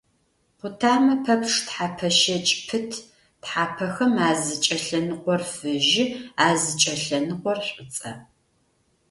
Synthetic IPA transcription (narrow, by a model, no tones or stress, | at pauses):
qʷʊtʰaːmɐpʰɐpʂtħaːpʰɐʃɐt͡ʃʼpʰɨtʰ | tħaːpʰɐxɐmaːzɨt͡ʃʼɐɬɐnɨqʷɔrfɨʒɪaːzɨt͡ʃʼɐɬɐnɨqʷɔrɕʷʼɨt͡sʼɐ̰